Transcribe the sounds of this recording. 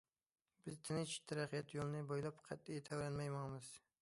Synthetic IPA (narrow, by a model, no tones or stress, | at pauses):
bɪzt̪ʰɪnɪt͡ʃɪ̥t̪ʰaɾɑqɨjat̪jolˠnɪbojlˠapqʰɑt̪̚ːɪjet̪ʰavɾanmajmɑŋmɪz̥